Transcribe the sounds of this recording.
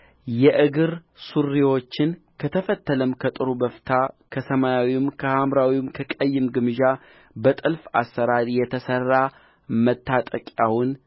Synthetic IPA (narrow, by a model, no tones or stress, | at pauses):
jɛʔɨɡɨɾ | surːiwo̞t͡ʃːɪn | kʰət̪ʰəfət̪ːələmkʰət̪ʼɨɾubəft̪ʰakʰəsəmajawimkʰəhamɾawimkʰəkʼəjːɨmɡɨmɨʒa | bət̪ʼɨlfa̰sːəɾaɾijɛt̪ʰəsərːa | mət̪ʰːat̪ʼəkʼawʊn